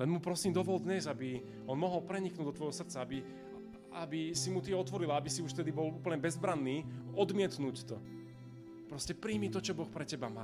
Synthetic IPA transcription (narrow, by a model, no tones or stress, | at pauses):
lɛnmupɾɔsiːmd̪ɔʋɔld̪ɲɛzabi | ɔnmɔɦɔlpɾɛɲiknuːd̪ɔt̪ʋɔjɦɔsr̩t͡saabi | ʔa̰bisimut̪iɔt̪ʋɔɾilaabisiuʃft̪ɛd̪ibɔluːpl̩ɲɛbɛzbɾanːiːɔd̪mɪɛt̪nuːct̪ɔ | pɾɔscɛpɾiːmit̪ɔt͡ʃɔbɔxpɾɛcɛbama̰ː